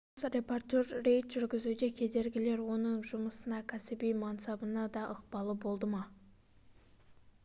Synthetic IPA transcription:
sɾepʰoɾt̪oɾːejt̪ʒʏɾɡʲɪzud̪ekʲʰed̪eɾɡʲɪleɾwonɨŋʒʊməsɨnɑkʲʰæsɪbijmɑnsɑbənɑd̪ɑʔəqbɑlˠəbolˠd̪əmɑ

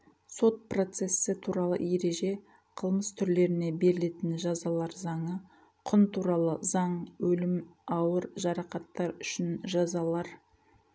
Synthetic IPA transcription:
so̞t̪̚pro̞t̪se̞sːɪt̪ʰuɾɑlˠə̰je̞ɾe̞ʒe̞ | qʰəlˠməst̪ʰʏɾle̞ɾɪne̞be̞ɾɪle̞t̪ɪnʒɑzɑlˠɑɾzɑɴə | qʰʊnt̪ʰuɾɑlˠəzɑɴwɵlɪmɑwəɾʒɑɾɑqɑt̪ːɑɾʏʃɪnʒɑzɑlˠɑɾ

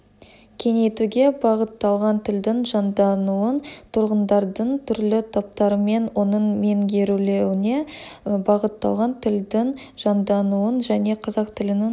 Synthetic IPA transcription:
kʲʰe̞ŋe̞t̪uɡʲe̞bɑʁət̪ːɑlˠʁɑnt̪ʰɪld̪ɪŋʒɑnd̪ɑnuənt̪ʰʊɾʁənd̪ɑɾd̪əɴt̪ʰʏɾlɪt̪ʰop̚t̪ɑɾəme̞nwo̞nəɴme̞ŋɡʲe̞ɾulewɪne̞bɑʁət̪ːɑ̰lˠʁɑnt̪ʰɪld̪ɪŋ | ʒ̥ɑnd̪ɑnuənʒæne̞qʰɑzɑq̚t̪ʰɪlɪnɪŋ

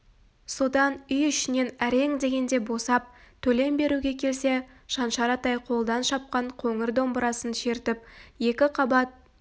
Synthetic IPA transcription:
so̞d̪ɑnʏjʏʃɪne̞næɾe̞ŋd̪e̞ɡʲe̞nd̪e̞bo̞sɑp̚t̪ʰɵle̞mbe̞ɾuɡʲe̞kʲʰe̞lse̞ | ʃɑnʃɑɾɑt̪ɑjqʰo̞lˠd̪ɑnʃɑp̚qɑɴqʰoŋɪɾd̪o̞mbəɾɑsənʃe̞ɾt̪ɪp̚je̞kʲɪqʰɑbɑt̪̚

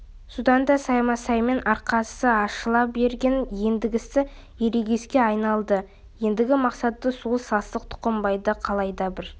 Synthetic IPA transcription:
sud̪ɑnd̪ɑsɑjmɑsɑjme̞nɑɾqɑsəɑʃəlˠɑp̚be̞ɾɡʲenje̞nd̪ɪɡʲɪsɪ | je̞ɾeɡʲe̞skʲe̞ɑjnɑlˠd̪ə | je̞nd̪ɪɡʲɪmɑqsɑt̪ːəsolˠsɑst̪ˠəqt̪ʰʊ̥qəmbɑjd̪əqʰɑlˠɑjd̪ɑbɪɾ

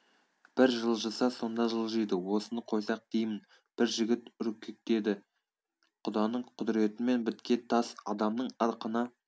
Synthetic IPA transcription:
b̥ɪɾʒəlˠʒɑsɑso̞nd̪ɑʒəlˠʒijd̪əwo̞sənəqʰo̞jsɑq̚d̪̥ejmɪn | b̥ɪɾʒɪɡʲɪt̪ʏɾkʲʰːɪk̚t̪e̞d̪ɪ | qʰʊd̪ɑnəɴqʰʊd̪ɪɾe̞t̪ɪme̞nbɪt̪kʲe̞t̪ʰɑsɑd̪ɑmnəɴɑɾqənɑ

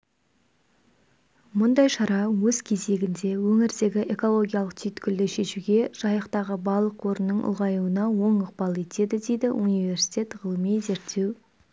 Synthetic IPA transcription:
mʊnd̪ɑjʃɑɾɑwɵz̥kʲʰe̞ze̞ɡʲɪnd̪e̞wɵŋɪɾd̪e̞ɡʲɪʔe̞ko̞lˠo̞ɡʲijalˠəq̚t̪ʰʏjt̪kʲʰʏld̪ɪʃe̞ʃuɡʲe̞ʒ̥ɑjəqt̪ɑʁəbɑlˠəqwo̞ɾənːəɴʔʊ̰lˠʁɑjuənɑwo̞ɴʊq̚pɑlˠe̞t̪e̞d̪ɪd̪e̞jd̪ɪʔunijve̞ɾsi̥t̪ʲe̞t̪ʁəlˠəmijze̞ɾt̪ʰːe̞w

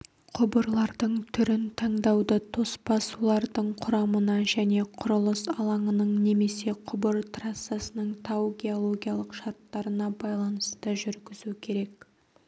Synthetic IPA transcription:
qʰʊbəɾlˠɑɾd̪əɴt̪ʰʏɾɪnt̪ʰɑɴd̪ɑwd̪ət̪ʰo̞spɑsulˠɑɾd̪əɴqʰʊɾɑmənɑʒæne̞qʰʊɾəlˠəsɑ̰lˠɑɴənəɴne̞me̞se̞qʰʊbəɾt̪rasːasənəɴt̪ʰawɡʲe̞o̞lˠo̞ɡʲijɑlˠəqʃɑɾt̪ːɑɾənɑbɑjlˠɑnəst̪əʒʏɾɡʲɪzukʲʰe̞ɾe̞k

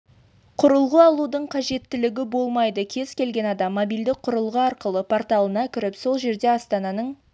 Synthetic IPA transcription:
qʰʊɾəlˠʁəɑlˠud̪əɴqʰɑʒe̞t̪ːɪlɪɡʲɪbo̞lˠmɑjd̪əkʲʰe̞z̥kʲʰe̞lɡʲe̞nɑd̪ɑmːobild̪ɪk̚qʰʊɾəlˠʁəɑɾqəlˠəpʰo̞ɾt̪ɑlˠənɑkʲʰɪɾɪpso̞lˠʒe̞ɾd̪e̞ɑst̪ɑnɑnəɴ

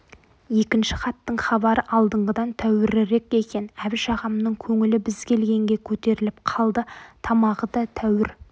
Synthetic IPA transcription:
je̞kʲɪnʃɪχɑt̪ːəɴχɑbɑɾəʔɑlˠd̪əɴʁəd̪ɑnt̪ʰæwɪɾɪɾe̞ke̞kʲe̞næbɪʃɑʁɑmnəɴkʲʰɵŋɪlɪbɪzkʲe̞lɡʲe̞ŋɡʲe̞kʲʰɵt̪e̞ɾɪlɪp̚qʰɑlˠd̪ət̪ʰɑmɑʁəd̪ɑt̪ʰæwɪɾ

